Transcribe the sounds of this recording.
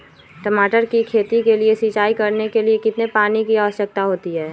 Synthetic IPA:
ʈəmaːʈəɾkikʰeːt̪ikeliesit͡ʃaːikɐɾnekeliekɪt̪nepaːnikiaːʋəʃjək̚t̪aɦoːt̪iɦɛː

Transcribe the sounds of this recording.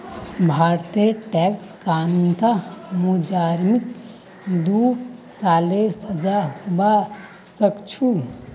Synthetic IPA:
bʱaːɾt̪iʈɛːkskaːnnt̪ʰamud͡ʒaːɾmɪk | d̪uːɽsaːlesɐd͡ʒahʊba | sɐkt͡ʃʰu

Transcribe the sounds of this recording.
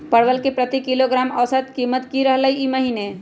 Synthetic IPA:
pəɽʋəlkepɾət̪ikiloɡɾaməsət̪kimət̪kiɾəɦləjiməɦine

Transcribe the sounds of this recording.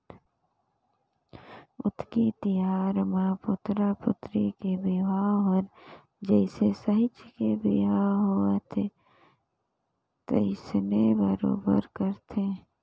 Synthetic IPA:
ʊ̰t̪ʰkit̪ɪjaːɾmãpʊt̪ɾapʊt̪ɾikebɪwaːɦəɾ | d͡ʒɛːɪsesəɦɪt͡ʃkebʱɪwaːɦoet̪ʰe | t̪ə̰ɪsnebəɾo̰ːbə̰ɾkəɾt̪ʰe

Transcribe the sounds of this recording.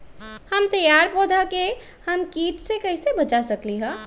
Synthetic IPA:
hɐmt̪ɐjaːɾpoːd̪ʱake | hɐmkiːʈsekɐɪsebɐt͡ʃasɐkliɦɛ̃ː

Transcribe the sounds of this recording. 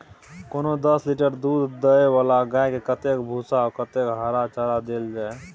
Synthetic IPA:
konod̪əsliʈəɾd̪ud̪ːəeʋalaɡajkekət̪ekbʱusaɔkət̪ekɦaɾat͡ʃaɾad̪eld͡ʒae

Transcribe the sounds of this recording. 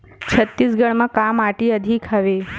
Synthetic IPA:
t͡ʃʰət̪ːisɡəɽmãkamaʈiəd̪ʱikʰəʋe

